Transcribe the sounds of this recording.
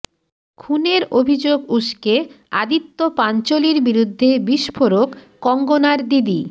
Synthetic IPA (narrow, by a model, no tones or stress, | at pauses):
kʰuneɾobʱid͡ʑoɡuʃke | ad̪it̪ːopant͡ɕoliɾbiɾud̪ʱːebiʃpʰoɾokː | ɔŋɡonaɾd̪id̪i